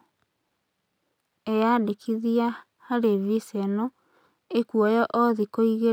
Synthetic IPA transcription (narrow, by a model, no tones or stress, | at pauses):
ejadekʰiðia | haɾeβisɛnɔ | ekuɔjɔʔɔðikoiɣe